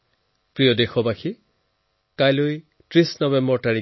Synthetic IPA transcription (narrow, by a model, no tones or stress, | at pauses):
pɹijɔdexɔbaxʰi | kajloj | tɹisnɔbɛmbɔɹtaɹi